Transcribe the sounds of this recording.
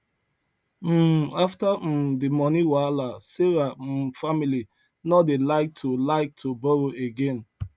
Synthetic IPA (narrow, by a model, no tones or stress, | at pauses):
m̩aftadimɔniwalaseɹafamili | nɔdelaɪk̚tʰulaɪk̚tʰubɔɹoʔeɡẽn